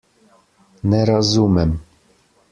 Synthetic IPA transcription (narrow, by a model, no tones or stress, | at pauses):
nɛɾɑzumɛm